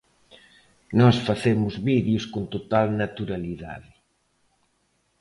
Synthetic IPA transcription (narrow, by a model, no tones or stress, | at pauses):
nɔsfaθemʊzβiðjuskont̪ot̪alnat̪uɾaliða̰ðɪ